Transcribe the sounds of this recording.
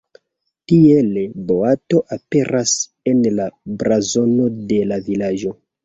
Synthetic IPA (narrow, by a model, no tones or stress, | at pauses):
tielboato̞ʔape̞ɾʔas | e̞nlabɾazo̞no̞de̞lavilad͡ʒo̞